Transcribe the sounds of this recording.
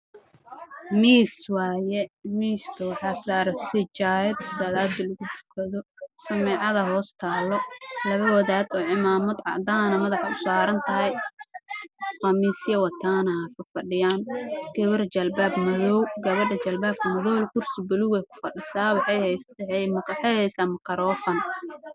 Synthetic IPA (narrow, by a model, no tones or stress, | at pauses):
miːswɑːjɛmiːst̪ʰɐwɑħɑːsaːɾɛsɪt͡ʃaːjɐd̪sɐlaːd̪ɐlɐɣʊt̪ʊ̥kʰɐðɔsɐmɛːʕɑðɐɦɔːst̪ʰaːlɔlɐβɐwɐðaːd̪ɔːʕɪmaːmɐd̪ʕɑ̰ʕd̪aːnɐmɐðɑħɑʊsaːɾɐnt̪ʰɐɦɛj | fɐmiːsjɐwɐt̪ʰaːnɐkʰɐfɐɖɪjaːnkɛβɐrt͡ʃɐlbaːbmɐðɔwɡɐβɐɖɐt͡ʃɐlbaːb̚kʰɐmɐðɔːlkʰʊrsɪbʊluɣɛjkʰʊ̥fɐɖɪsaːwħ | mħɛjhɛjsaːmɐkʰɐɾɔːfɐn